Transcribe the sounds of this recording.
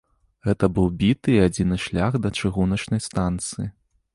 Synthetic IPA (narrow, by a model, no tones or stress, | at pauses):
ɣɛt̪ɐbɨwbʲit̪ɨːad͡zʲinɨʂlʲaɣd̪ɐt͡ʂɨɣunɐt͡ʂnɐjst̪ant̪sɨji